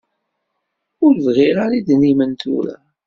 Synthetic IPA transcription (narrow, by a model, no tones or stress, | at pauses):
ʊɾvʁiɾaɾid̪nimənt̪ṵɾa̰